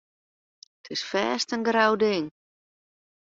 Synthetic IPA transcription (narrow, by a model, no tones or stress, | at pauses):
tʰɪsfɛːstənɡrawdɪŋ